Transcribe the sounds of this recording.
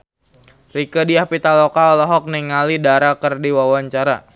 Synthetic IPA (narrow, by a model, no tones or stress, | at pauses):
rikədiahpit̪alɔkaɔlɔɦɔk̚niŋalidaɾakərdiwawaɲt͡ʃaɾa̰